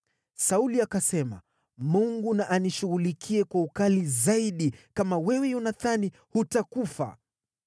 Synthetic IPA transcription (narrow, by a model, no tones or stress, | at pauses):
sauliakasɛma̰ | muŋɡunaʔaniʃuɣulikʰiɛkwaukalizaiɗikamawɛwɛjunaθani | hutakufa̰